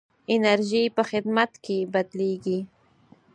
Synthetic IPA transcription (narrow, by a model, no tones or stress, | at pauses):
ɪnaɾʒipəxɪd̪mat̪kebad̪leɡi